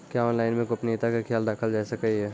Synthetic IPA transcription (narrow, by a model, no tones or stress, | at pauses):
kjaɔːnlaːɪnmẽkoɐpneɪt̪akakʰjaːld̪aːkʰəld͡ʒɛːsekəiɦɛː